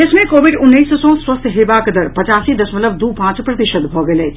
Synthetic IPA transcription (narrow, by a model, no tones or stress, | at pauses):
ɪsmẽkoːʋɪɖʊnːiːssɔ̃ːswɐst̪ʰɦɪːʋakɐd̪əɾpɐt͡ʃaːsid̪ɐsmɐləb̚d̪uːpãːt͡ʃpɾɐt̪ɪʃəd̪bʱoːɡɐlẽː